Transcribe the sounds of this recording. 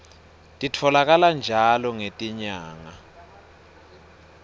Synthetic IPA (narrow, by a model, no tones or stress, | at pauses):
tʼitʰɔlak̬aland͡ʒʱalɔŋetʼiɲaːŋa